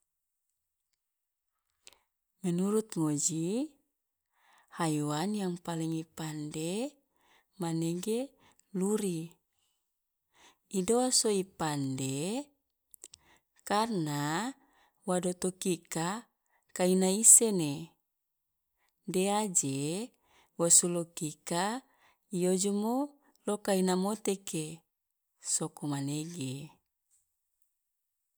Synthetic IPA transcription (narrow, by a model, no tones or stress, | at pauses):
mɛnuɾut̪̚ŋod͡ʒi | hajuanjaŋpaliŋipande | manɛɡe | luɾi | idoasoipande | karna | wadot̪okika | kainaisene | dead͡ʒe | wosulokika | ijod͡ʒomo | lokainamot̪eke | sokomaneɡe